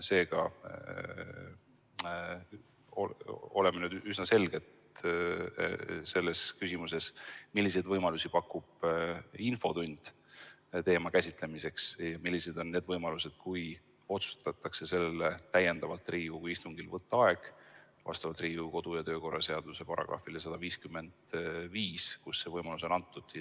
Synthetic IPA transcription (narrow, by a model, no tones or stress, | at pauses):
se̞ːɡɑ | oo̞lemːenyd̪ysnɑse̞lɡ̥e̞t̪ | se̞lːe̞skysʲimuse̞smilːis̬e̞jd̪̥vɤjmɑlusipɑkːˑub̥info̞t̪unʲd̪̥ | t̪e̞ːmɑkæsʲit̪le̞mise̞ksjɑmilʲːise̞d̪̥o̞nːe̞ːd̪vɤjmɑluse̞d̪̥̚kuj | o̞t̪su̥st̪ɑt̪ːˑɑkse̞se̞lːele̞t̪æje̞nd̪̥ɑvɑlt̪ˑriːukujist̪uŋɡ̥ilvɤt̪ːˑɑɑe̞ɡ̥ | vɑ̰st̪ɑvɑlt̪riːuko̞d̪̥ujɑt̪ø̞ːko̞rːɑse̞ɑd̪̥use̞pɑɾɑ̰ɡ̥rɑ̰filesɑd̪̥ɑviːskymːe̞nd̪̥viːskusːe̞vɤjmɑlus̬o̞nɑnt̪ːud̪̥